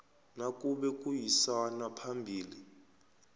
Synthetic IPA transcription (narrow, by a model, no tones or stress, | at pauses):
nakʼuɓɛkʼujisanapʰambʱiːli